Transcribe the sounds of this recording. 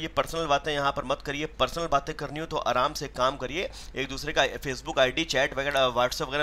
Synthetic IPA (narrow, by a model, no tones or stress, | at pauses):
jepɐɾsnəlbaːt̪ẽjɐɦãpɐɾmɐt̪kɐɾiepɐɾsnəlbaːt̪ẽkɐɾniõt̪oʔa̰ːɾaːmsekaːmkɐɾieː | eːk̚d̪uːsɾekafeːsbʊkaːɪɖit͡ʃɛːʈʋɐɡɛːɾaʋaːʈsəpʋɐɣɛːɾ